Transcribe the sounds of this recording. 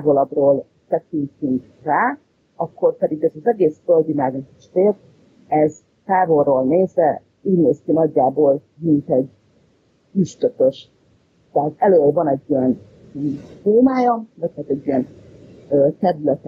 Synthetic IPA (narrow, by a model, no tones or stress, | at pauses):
aːvolɒbroːl | t̪ɛkint̪yŋk | raː | ɒkːo̞rpɛd̪iɡɛzɒzɛɡeːsføld̪imaːɡ̪kiʃt̪eːr | ɛz | t̪aːvo̞rːoːlneːzʋɛ | uːɟneːskinɒɟːaːboːl | mint̪ɛɟ | yʃt̪øtøʃ | t̪ɛɦaːt̪ɛløːvɒnɛɟːɛn | t̪oːmaːjɒvɒchaːt̪ɛɟːyjɛn | øːt̪ɛɾylɛt̪